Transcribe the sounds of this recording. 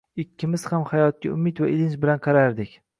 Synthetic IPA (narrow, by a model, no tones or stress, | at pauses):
ɪkʲʰːɪmɪz̥hamhajɒt̪̚kʲa̰ʊmɪt̪vaʔɪlɪnt͡ʃbɪlanqʰɑɾaɾd̪ɪkʲ